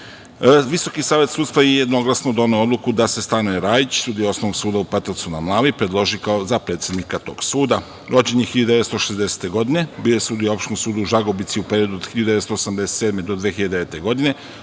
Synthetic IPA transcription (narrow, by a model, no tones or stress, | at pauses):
ʋiso̞kisaːʋje̞t̪suːt̪st̪ʋajejed̪no̞ɡlˠasnod̪o̞nojo̞d̪lukud̪ase̞st̪anojeɾaːjit͡ɕsuːd̪ijoosnoʋoɡsuːd̪aupat̪at̪sunamlˠaːʋipɾed̪lˠo̞ʒikaozapɾe̞t̪sjed̪nikat̪o̞̰ːɡ̥suːd̪a | ɾo̞d͡ʑe̞ɲexiʎad̪d̪eest̪oʃezd̪ese̥t̪e̞ɡo̞d̪ine̞biːjojesuːd̪ijoopʃt̪nomsuːd̪uʒaɡo̞bit̪siupeɾio̞d̪uod̪xiʎad̪d̪et̪st̪oosamd̪eset̪sed̪me̞d̪o̞d̪ʋexiʎad̪eet̪e̞ɡo̞d̪ine̞